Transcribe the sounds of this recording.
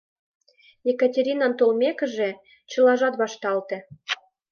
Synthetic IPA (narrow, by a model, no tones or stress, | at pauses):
jekɑtʲeɾʲinɑnt̪olmʲekə̆ʒĕ | t͡ɕɤ̆lɑʒɑt̪βɑʃt̪ɑlt̪ĕ